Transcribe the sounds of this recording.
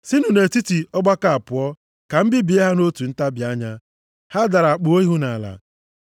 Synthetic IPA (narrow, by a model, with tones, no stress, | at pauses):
sɪ˦nu˨ne˨ti˦ti˨ɔ˦ɡ͡ba˦ka˨a˨pʊ˨ɔ˦ | ka˨m̩˦bɪ˦bi˨e˦ɦa˦no˦tu˨n̩˦ta˦bja˦ɲa˦ | ha˦da˨ɾa˨a˨k͡pʊ˨o˦i˦ɦu˦na˨a˨la̰˨